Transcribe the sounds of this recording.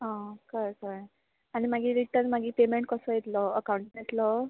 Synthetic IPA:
ɦãkəɾkəɾ | añimaɡiːɾiʈəɾnmaɡiːpemeɳʈ̚kɔsɔjet̪lɔəkawɳʈnet̪lɔ

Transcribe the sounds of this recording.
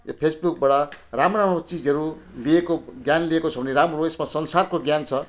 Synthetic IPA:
jo̰pʰesbuk̚baɽʌramɾamrot͡sid͡zʌɾu | liekoɡjanliekot͡sʰʌbʱʌneɾamroesmasʌnsarkoɡjant͡sʰʌ

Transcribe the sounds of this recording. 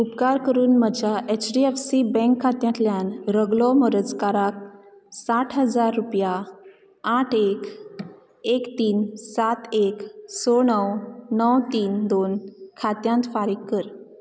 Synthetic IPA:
upkaɾkəɾuːnməd͡ʑʱjaʔɛt͡ɕɖiɛfsibɛ̃ŋkʰːat̪jãnt̪ljanɾəɡlɔməɾəd͡zkaɾak̚ | saʈʰɦəd͡zaɾːupja | aʈʰek | ekt̪iːnsat̪eksɔɳəwnəwt̪iːnd̪onkʰat̪jãnt̪faɾiːkːəɾ

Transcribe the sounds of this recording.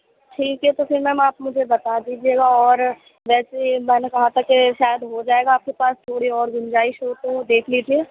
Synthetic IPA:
ʈʰiːkɦɛt̪ofɪɾmɛ̃ːaːpmʊd͡ʒʱebɐt̪ad̪iːd͡ʒieːɡaɔːɾ | ʋɛːsemɛ̃ːnekɐɦat̪ʰakeʃaːjəd̪ɦod͡ʒaːeːɡaaːp̚kepaːst̪ʰoːɽiɔːɾɡʊ̃nd͡ʒaːiʃoːt̪d̪eːkʰliːd͡ʒieː

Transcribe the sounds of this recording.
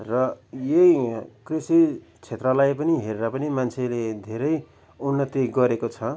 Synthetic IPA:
rʌjekrisi | t͡sʰet̪rʌlajpʌniɦeɾeɾʌpʌnimant͡sʰeled̪ʱeɾʌj | unːʌt̪iɡʌɾekot͡sʰʌ

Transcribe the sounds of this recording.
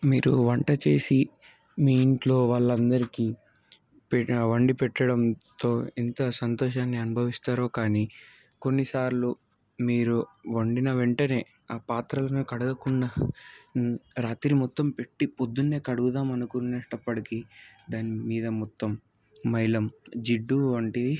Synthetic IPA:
miːɾuʋɐɳʈɐt͡ʃe̞ːsi | miːiɳʈlo̞ːʋaːɭːɐnd̪ɐɾikiː | pʋɐɳɖipɛʈːɐɽɐmt̪o̞ːint̪ɐsɐnt̪ɔːʃaːnːiɐnubʱɐʋist̪aːɾo̞ːkaːniː | ko̞nːisaːɾlu | miːɾuʋɐɳɖinɐʋeɳʈɐne̞ː | aːpaːt̪ɾɐlɐnukɐɽɐɡɐkunːɐ | ɾaːt̪ɾimɔt̪ːɐmpe̞ʈːipod̪ːunːe̞ːkɐɽuɡud̪aːmɐnɐkuneʂʈɐpːɐɽɐkid̪aːnimiːd̪ɐmɔt̪ːɐmː | ɐjlɐmd͡ʒiɖːuʋɐɳʈi

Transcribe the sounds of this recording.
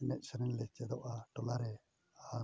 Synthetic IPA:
nɛc̚səɾinlɛt͡ʃɛd̪ɔʔaʈɔlaɾɛ | a

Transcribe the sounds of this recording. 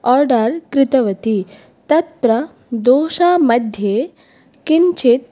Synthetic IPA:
ɔːɾɖɐɾkɾɪt̪ɐʋɐt̪i | t̪ɐt̪ɾɐ | d̪oːʃaːmɐd̪ʱje | kiɲt͡ʃit̪̚

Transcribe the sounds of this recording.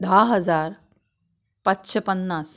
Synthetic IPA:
d̪ʱaɦəd͡zaɾ | pat̪ɕepənːas

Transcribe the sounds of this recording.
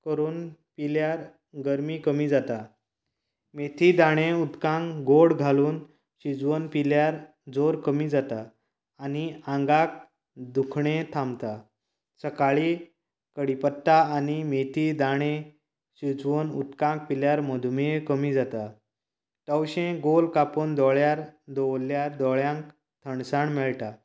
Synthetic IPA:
kəɾuːnpiljaɾ | ɡəɾmikəmiːd͡zat̪a | met̪ʰid̪aɽ̃ẽut̪kãŋɡoɽɡʱaluːn | ɕid͡zʋənpiljaɾ | d͡zoɾkəmid͡zat̪aː | niãŋɡak̚ | d̪ukʰɳẽt̪ʰãmt̪a | səkaɭi | kəɽipət̪ːaːnimet̪id̪aɽ̃ẽ | ɕid͡zʋənut̪kãŋk̚piljaɾməd̪ʱumikəmid͡zat̪a | ʈəwɕẽɡolkapond̪ɔɭjaɾd̪ɔwlːjaɾd̪ɔɭjãŋk | t̪ʰəɳsaɳmɛɭʈa

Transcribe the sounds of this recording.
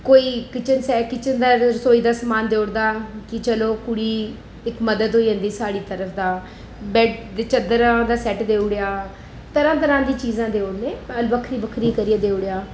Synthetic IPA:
koːiːkɪt͡ʃənsɛːkɪt͡ʃənd̪aːɾsoːiːd̪aːsəmaːnd̪eːɽd̪aːkɪt͡ʃəloːkʊɽiː | ɪkməd̪əd̪ɦoːiə̃nd̪iːsaːɽiːt̪əɾəpʰd̪aː | bɛːet͡ʃəd̪əɾãːd̪aːsɛːʈd̪eːʊɽejaː | t̪əɾãːt̪̬əɾãːd̪iːt͡ʃiːzãːd̪eːoɽneːəlbəkʰɾiːbəkʰɾiːkəɾiːaːd̪eːʊɽejaː

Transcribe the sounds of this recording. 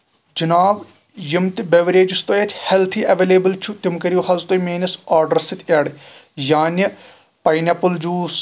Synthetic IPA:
d͡ʒɐnaːʋ | jimt̪beʋɾeːd͡ʒist̪oːjɐt͡ʃʰhelt̪ʰiːʔɐʋeːleːbɨlt͡ʃʰut̪imkɐɾjuhɐzt̪oːmeːnɐsaːɾɖɐɾsɨt̪ʰʲɐːɽjaːni | pɐjnʲɐpuld͡ʒuːs

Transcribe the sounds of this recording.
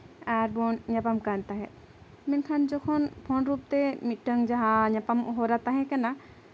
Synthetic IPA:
aɾbɔnɲapamkant̪aɦɛ̃ | minkʰand͡ʒɔkʰɔnpʰɔnɾup̚t̪emitʈəŋd͡ʒaɦaɲapamɔɦɔɾat̪aɦɛ̃kɛna

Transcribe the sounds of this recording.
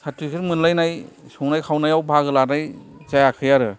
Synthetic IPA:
sʰatikʰɯɾmɯnlajnajsɯwnajkʰawnajawbʱaɡɯlanajzajakʰɯjaɾɯ

